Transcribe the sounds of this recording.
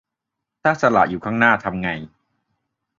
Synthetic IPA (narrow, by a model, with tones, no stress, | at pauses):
t̪ʰaː˥˩sa˧la̰˨ʔjuː˨˩kʰaː˥˩ŋnaː˥˩t̪ʰa˧mŋa˧j